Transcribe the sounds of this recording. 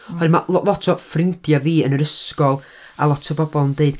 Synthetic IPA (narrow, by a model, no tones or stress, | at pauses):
ɔɨmalɔlˠɔtʰɔfrɪntjaviːənəɾəskɔlˠ | alˠɔtʰəbɔbɔlˠəndeɨd̥